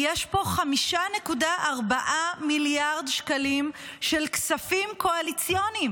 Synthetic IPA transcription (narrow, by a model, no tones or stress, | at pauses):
jeʃpo̞χamiʃane̞kudaʔaʁbaʔamiljaʁdʃkalimʃe̞lksafimkoalit͡sjo̞nim